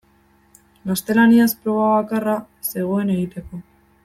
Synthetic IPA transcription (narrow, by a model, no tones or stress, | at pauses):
ɡast̪e̞laniaspɾo̞β̞aβakara | se̞ɣ̞o̞e̞ne̞ɣit̪e̞ko̞